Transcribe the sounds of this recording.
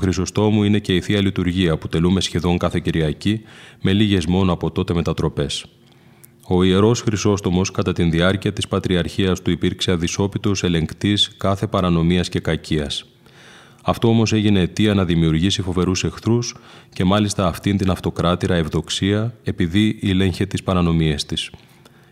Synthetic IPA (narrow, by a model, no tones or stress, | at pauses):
oxɾiso̞st̪o̞muine̞ce̞iθiɐlit̪uɾʝiɐpu̥t̪e̞lume̞sçe̞ðo̞ŋkɐθe̞ciɾiɐcime̞liʝe̞zmo̞noɐpo̞t̪ot̪e̞me̞t̪ɐt̪ɾo̞pe̞s | o̞ie̞ɾo̞sxɾiso̞st̪o̞mo̞skɐt̪ɐt̪inðiɐɾciɐt̪ispɐt̪ɾiɐɾçiɐst̪uipiɾkse̞ɐðiso̞pit̪o̞se̞le̞ŋkt̪iskɐθe̞pɐɾɐno̞miɐsce̞kɐciɐs | ɐft̪o̞o̞mo̞se̞ʝine̞ːt̪iɐnɐðimiuɾʝisifo̞ve̞ɾuse̞xθɾusce̞mɐlist̪ɐːft̪int̪inɐft̪o̞kɾɐt̪iɾɐevðo̞ksiɐe̞piðiʔile̞ɲçet̪ispɐɾɐno̞mie̞st̪is